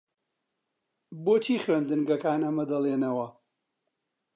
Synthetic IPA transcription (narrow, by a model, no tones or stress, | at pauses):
boːt͡ʃʰiːχɥend̪ɨnɡɐkaːnɐmɐd̪ɐlˠeːnɐwɐ